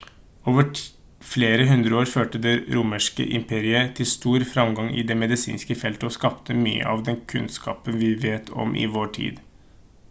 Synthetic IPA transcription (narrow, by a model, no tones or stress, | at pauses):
oːʋə | fleːɾəɦʉnd̪ɾəoːɾføːʈəd̪ɛɾʊməʂkə̰ʔɪmpʰeːɾɪət̪ʰɪlst̪uːɾfɾɑmɡɑŋɪ̰d̪ɛːmɛd̪ɪsḭːnskəfɛlt̪əɔskɑpt̪ʰəmyːə̰ʔɑʋd̪ɛnkʰʉnskɑ̰ːpənʋɪʋeːt̪ʰɔ̰mʔɪ̰ʋoːʈʰḭːd̪